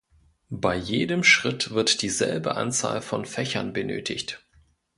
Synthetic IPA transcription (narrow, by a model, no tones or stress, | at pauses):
baɪjeːdəmʃʁ̥ɪtv̥ɪɐtd̥iːzɛlbə̰ʔa̰nt͡sa̰ːlfɔnfɛçɐ̰nbənøːtʰɪçt